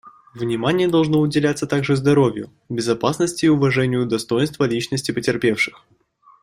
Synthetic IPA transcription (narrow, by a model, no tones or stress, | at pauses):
vnʲɪmanʲɪjəd̪ɐlˠʐnoʊdʲɪlʲat̪sət̪aɡʐɨzd̪ɐɾovʲjʊ̰ | bʲɪzɐpasnəsʲtʲɪːʊvɐʐɛnʲɪjʊd̪ɐst̪o̞jɪnst̪vəlʲit͡ɕnəsʲtʲɪpətʲɪrpʲe̞fʂɨ̥x